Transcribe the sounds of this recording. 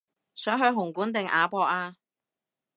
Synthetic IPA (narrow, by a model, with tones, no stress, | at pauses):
sœː˨˥ŋɦɵ˧ɥɦʊ˨˩ŋkuː˨˥nt̪ɪ˨ŋʔa̰ː˨˧pɔː˧k̚aː˧